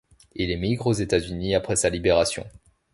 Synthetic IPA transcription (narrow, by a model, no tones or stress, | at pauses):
ilɛmiɡʁozet̪azyniapχɛsalibeʁasjɔ̰̃